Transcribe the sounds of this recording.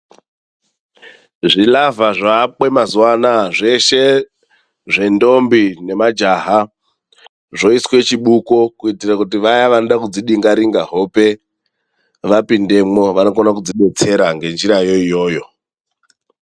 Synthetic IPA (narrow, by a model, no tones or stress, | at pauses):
ʐilavaʐaɓwe̞mazuwanaʐe̞ʃe̞ | ʐe̞ndo̞mbine̞mad͡ʒaːɦa | ʐo̞iswe̞t͡ʃiɓukokuitirakutiʋajaʋanoɗakud͡ziɗiŋɡaɾiŋɡaɦo̞pe̞ | ʋapinde̞mo̞ʋano̞konakud͡ziɓe̞t͡se̞ɾaŋɡe̞nd͡ʒiɾajo̞ijo̞ːjo̞